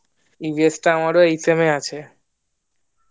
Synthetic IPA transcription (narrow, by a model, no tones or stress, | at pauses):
ibesʈaamaɾoejsemeat͡ɕʰe